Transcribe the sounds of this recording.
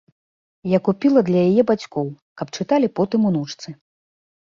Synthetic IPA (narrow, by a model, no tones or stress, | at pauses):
jakupʲilˠɐd̪lʲɐjajɛbat͡sʲkɔw | kɐpt͡ʂɨt̪alʲipɔt̪ɨmunut͡ʂt̪sɨ